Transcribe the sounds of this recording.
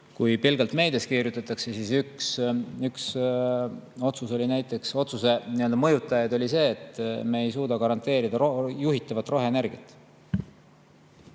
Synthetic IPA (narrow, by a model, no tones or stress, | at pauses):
kujpilɡ̥ɑlt̪me̞jd̪̥eskiːɾjut̪ːˑɑt̪ːˑɑkse̞siːsyksyks | o̞t̪suso̞lʲinæjt̪ːˑe̞kso̞t̪suse̞niø̞ld̪ɑmɤjut̪ːˑɑjɑd̪o̞lʲise̞ːt̪ˑme̞ːjsuːd̪̥ɑkɑɾɑnt̪ˑe̞ːɾid̪̥ɑɾojuɦit̪ːˑɑvɑt̪ːˑro̞ɦenerɡ̥it̪ːˑ